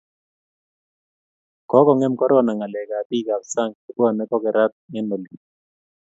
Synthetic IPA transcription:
kɔ˨˦kɔ˨ŋɛ˦mkɔ˦ɾɔ˦na˨ŋa˨lɛ˨ka˨ti˦˨ka˨ksa˦ŋɔ˨bɔ˦˨nɛ˦kɔ˦kɛ˨ɾa˦t̪̚ŋɛ˦no˨li˨

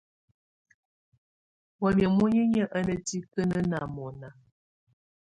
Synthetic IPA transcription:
wɔ˨mjə˨mo˦ɲə˦ɲə˦ʔə˦nə˨ti˦kə˦nə˦na˨mɔ˨na˨

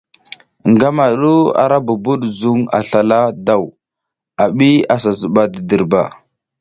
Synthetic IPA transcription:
ŋɡa˦ma˨˦ɗu˦a̰˨ɾa˦bu˨bu˦ɗzu˦ŋa̰˨ɬa˨la˦da˨w | a˨ɓi˦a˨sa˨zu˨ɓa˨də˨də˨ɾba̰˨

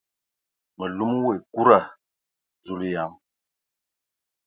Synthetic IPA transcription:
mə˨lu˦m˦we˨ku˦ɾa˦˨ | zu˦˨li˦ja˨m

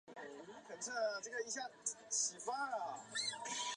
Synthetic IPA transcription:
lu˧˥kʰə˨˩nt͡sʰɤ˥˩ʈ͡ʂɤ˥˩ɡə˩i˥ɕja˥˩t͡ɕʰi˨˩fa˥˦˨

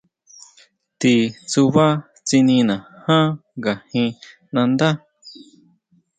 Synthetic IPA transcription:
t̪i˧t͡su˧βa˦ | t͡si˧nĩ˧nã˨hã˦ɡa˨hĩ˧ | nã˧nd̪a˦

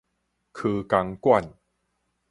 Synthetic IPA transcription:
kʰɯː˧ka˧ŋkwa˥˩n

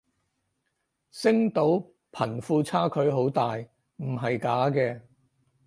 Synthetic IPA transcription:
sɪ˥ŋt̪o˨˥w | pʰɐ˨˩nfuː˧t͡sʰaː˥kʰɵ˨˥ɥɦo˨˥wt̪aː˨j | m̩˨˩ɦɐ˨jkaː˨˥kɛː˧

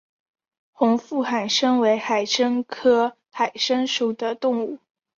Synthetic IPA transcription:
xʊ˧˥ŋfu˥˩xa˨˩nʂɤ˥ŋwe˧˥ɪxa˨˩ɪʂə˥ŋkʰɤ˥ | xa˨˩ɪʂə˥ŋʂu˨˩d̪ə˦t̪ʊ˥˧ŋu˥˩

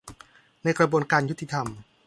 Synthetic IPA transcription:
na˧jkɾa˧buː˧ənkaː˧nju˦˥t̪ʰːi˧t̪ʰa˧m

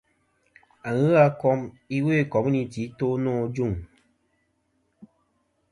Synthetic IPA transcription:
a˨ɣɨ˦a˧kɔ˦m | i˦we˦˨kɔ˨mu˦ni˨ti˨˦toː˦nɔ̃ː˦˨d͡ʒu˦˨ŋ

